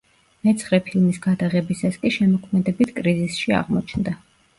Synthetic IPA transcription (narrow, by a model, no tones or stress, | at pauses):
mɛt̪sʰχɾɛpʰilˠmisɡ̥ad̪aʁɛbisaskʼiʃɛmɔkʰmɛd̪ɛbit̪ʰkʼɾizisʃia̰ʁmɔt͡ʃʰnd̪a